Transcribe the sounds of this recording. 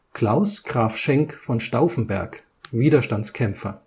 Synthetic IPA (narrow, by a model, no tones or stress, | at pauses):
kʰl̥aʊsɡ̥ʁaːfʃɛŋkfɔnʃtaʊfn̩bɛɐk | viːdɐʃtant͡skʰɛmp͡fɐ̰